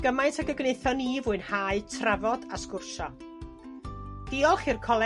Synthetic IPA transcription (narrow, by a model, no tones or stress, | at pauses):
ɡ̥əmajntʰaɡəɡnejθɔniːvʊːɨnhaɨtʰrɛvɔdaskʊrʃɔ | d̥ɪːɔlˠχirkʰɔlˠɛ